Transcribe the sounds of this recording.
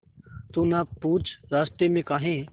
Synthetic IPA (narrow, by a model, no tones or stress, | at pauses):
t̪uːnapuːt͡ʃʰɾaːsʈ̪emẽkaːɦẽː